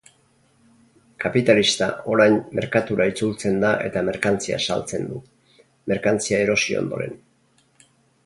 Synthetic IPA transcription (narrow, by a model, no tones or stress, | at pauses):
kapit̪alist̪ao̞ɾajnːe̞ɾkat̪uɾait͡sult͡se̞nd̪aʔe̞̰t̪ame̞ɾkant͡sia̰sa̰lt͡se̞nd̪u | me̞ɾkant͡siae̞ɾo̞sio̰nd̪o̞ɾe̞̰n